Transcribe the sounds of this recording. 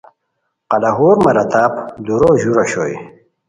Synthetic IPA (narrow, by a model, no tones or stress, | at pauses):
qɐlɐɦuːɾmɐɾɐt̪aːpd̪uɾoːʑuɾɐɕo̰ːj